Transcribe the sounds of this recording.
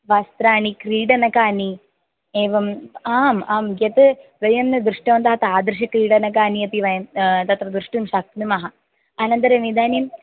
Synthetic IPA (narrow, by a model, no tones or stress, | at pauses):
ʋɐst̪ɾaːɳikɾiːɽɐnɐkaːni | eːʋɐmaːmaːmɡɐt̪ɨʋɐjɐmnɐd̪ɾɨʂʈɐʋɐnt̪aːɐt̪aːd̪ɾɨʂ̬ɐkɾiːɽɐnɐk̬aːniɐp̪iʋɐjɐmt̪ɐt̪rɐd̪ɾɨʂʈɐmʂɐk̚t̪nimɐɦɐ | ɐnɐnd̪ɐɾɐmid̪aːnim